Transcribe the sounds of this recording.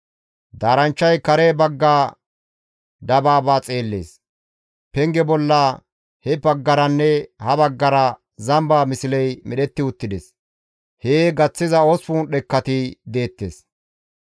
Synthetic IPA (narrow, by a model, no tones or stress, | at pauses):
d̪aːɾɐnt͡ʃːɐjkɐɾebɐɡːaː | d̪ɐbaːbaːt͡sʼe̞ːlːḛːs | pɛŋɡɛbɔlːaː | hɛbɐɡːɐɾɐnːɛhɐbɐɡːɐɾɐ | zɐmbaːmɪsɪlɛjmɛɗɛt̪ːɪʊt̪ːɪd̪ɛs | heːɡɐt͡sːɪzɐosfuːnɗɛkːɐt̪ɪd̪e̞ːt̪ːḛːs